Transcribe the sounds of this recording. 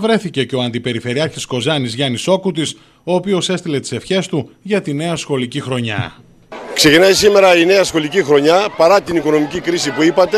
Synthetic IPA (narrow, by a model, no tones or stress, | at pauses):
vɾe̞θice̞ce̞o̞ɐnd̪ipe̞ɾife̞ɾiɐɾçisko̞zɐnizʝɐniso̞kut̪is | o̞ːpio̞se̞st̪ile̞t̪i̥se̞fçe̞st̪uʝɐt̪ine̞ɐsxo̞licixɾo̞ɲɐ̰ | kse̞cinɐjisime̞ɾɐine̞ɐsxo̞licixɾo̞ɲɐpɐɾɐt̪iniko̞no̞micikɾisipuipɐt̪e̞